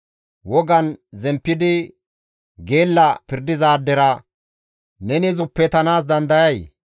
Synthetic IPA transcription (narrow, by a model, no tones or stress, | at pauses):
wɔɡɐnzɛmpːɪd̪ɪ | ɡe̞ːlːɐpɪɾd̪ɪzaːd̪ːɛɾɐ | nɛnɪzʊpːɛt̪ɐnaːs̬d̪ɐnd̪ɐjɐj